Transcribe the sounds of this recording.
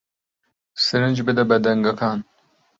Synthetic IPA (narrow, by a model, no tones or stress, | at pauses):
sɨɾɨnd͡ʒbɨd̪ɛbɛd̪ɛŋɡɐkʰɑːn